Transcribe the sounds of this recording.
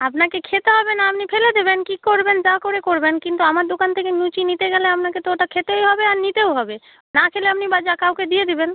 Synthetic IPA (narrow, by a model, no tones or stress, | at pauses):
apnakekʰet̪eɦɔbenaapnipʰeled̪ebenkikoɾbend͡ʒakoɾekoɾbenkint̪uamaɾd̪okant̪ʰekenut͡ʃinit̪eɡɛleapnaket̪oɦʈakʰet̪eoɦɔbeaɾnit̪eoɦɔbe | nakʰeleapnibad͡ʑakawked̪ied̪eben